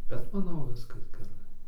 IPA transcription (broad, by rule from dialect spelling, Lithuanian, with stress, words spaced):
bʲɛt mɐˈnɐʊ ˈʋʲɪskɐs ɡʲɛˈrɐɪ